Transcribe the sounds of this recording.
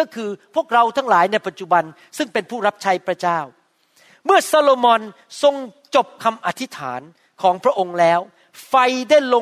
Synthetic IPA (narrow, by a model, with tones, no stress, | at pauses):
kɔː˥˩kʰɯː˧pʰu˥˩ək̚ɾa˧wt̪ʰa˦˥ŋlaː˩˦jna˧jpa˨t̪̚t͡ɕu˨˩ba˧n | sɯ˥˩ŋpe˧npʰuː˥˩ɾa˦˥p̚t͡ɕʰa˦˥jpʰɾa˦˥t͡ɕaː˥˩w | mɯ˥˩ɐsaː˧loː˧mɔː˧n | so˧ŋt͡ɕo˨˩p̚kʰa˧mʔa˨˧t̪ʰi˦˥t̪ʰa̰ː˩˦n | kʰɔː˩˦ŋpʰɾa˦˥ʔo˧ŋlɛː˦˥w | fa˧jdaː˥˩jlo˧